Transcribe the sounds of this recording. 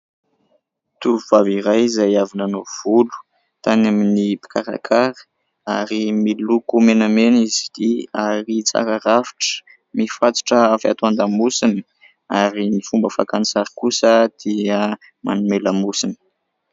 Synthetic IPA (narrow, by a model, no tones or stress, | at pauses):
t̪uuv̥aviɾajzajavinanov̥ulu̥ | t̪anaminipi̥kaɾa̰kʰaɾə̥ | aɾimilukumenamenizid̪̥iaɾit͡sa̰ɾaɾafi̥ʈ͡ʂə̥ | mifat͡si̥ʈ͡ʂəafia̰t̪uand̪amusini̥ | aɾinifumbəfakanisaɾikusəd̪̥iə | ma̰numeləmusinə̥